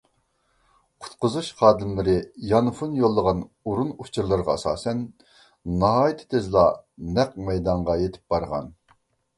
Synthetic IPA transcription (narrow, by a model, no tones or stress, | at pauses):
qʰʊ̥t̪̚qʊzuʃχɑːd̪ɨmlˠɨɾɪjɑnfunjolˠːəʁɑn | uɾunut͡ʃʰuɾlˠɨɾʁɑɑsɑ̰ːsɛnː | ɑɦɑːjit̪ʰɪ̥t̪ʰezlˠɑnɛqmɛjd̪ɑɴʁɑjet̪ʰɪ̥p̚b̥ɑɾʁɑ̰n